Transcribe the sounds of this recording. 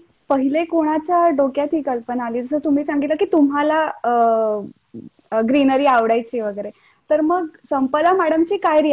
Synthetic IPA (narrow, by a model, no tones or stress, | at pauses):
pəɦilekoɽ̃at͡ɕjaɖokjat̪ʰiːkəlpənaliːd͡zəsəːt̪um̤iːsaŋɡit̪ləkiːt̪umɦala | ɡɾinəɾiːaʋɽajt͡ɕiʋəɡəjɾe | t̪əɾməɡsəmpəlamaɽəmt͡ɕiːkajɾi